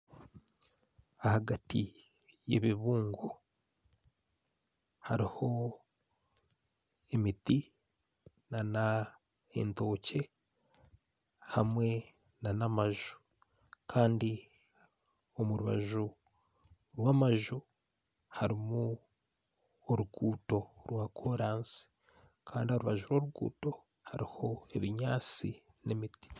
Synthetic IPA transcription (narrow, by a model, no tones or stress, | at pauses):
ahaɡati | je̞βiβuːŋɡo | haɾiho̞ | e̞miti | nana | ḛnto̞ːce̞ | hamwe̞ | nanamaʒu̥ | kʰaːndi | omuɾuβa̰ʒu | ɾwamaʒu | haɾimo | oɾuɡuːto̞ɾwakʰoɾaːnsi̥ | kʰaːndio̞ɾuβaʒuɾwoɾuɡṵːto̞ | haɾiho̞e̞βiɲaːt͡si | nemiti̥